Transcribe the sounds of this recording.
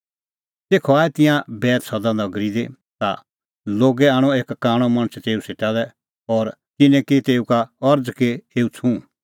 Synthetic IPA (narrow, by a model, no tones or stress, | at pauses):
t̪eːkʰɔaːɛt̪ɪ̃jãbɛːt̪sɔd̪ãd̪ɔɡɾid̪e | t̪a̰ | loːɡɛaːɽ̃ɔeːkːaːɽ̃ɔmɐ̃ɽ̃t͡sʰt̪eːuseʈad̪ɛ | ɔːɾ | t̪ɪnɛ̃kit̪eːukaɔɾd͡zkeeːut͡sʰũ